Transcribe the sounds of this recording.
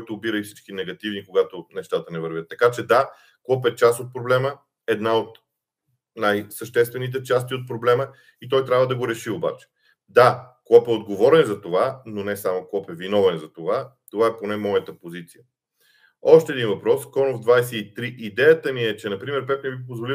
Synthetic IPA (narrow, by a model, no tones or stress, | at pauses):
kɔjt̪oːbiɾəifsit͡ʃkinɛɡɐt̪ivnikoɡat̪onɛʃt̪at̪ənɛvəɾvʲət̪ːɐkat͡ʃɛd̪a | klˠɔpɛt͡ʃast̪ot̪̚pɾoblɛmə | ɛd̪naot̪ | najsəʃt̪ɛst̪vɛnit̪̬ɛt͡ʃast̪iot̪̚pɾoblɛmə | it̪ɔjt̪ɾʲavəd̪ɐɡoɾɛʃioba̰t͡ʃɛ̥ | d̪aklˠɔpɛod̪ɡovɔɾɛnzɐt̪ovanonɛsamoklˠɔpɛvinɔvɛnzɐt̪ovat̪ovaɛponɛmɔjət̪əpozit̪sijə | ɔʃt̪ɛːd̪invɐpɾɔskɔnovd̪vajsɛit̪ɾiʔid̪ɛjət̪əmiɛt͡ʃɛnɐpɾimɛɾpɛp̪nɛbipozvoli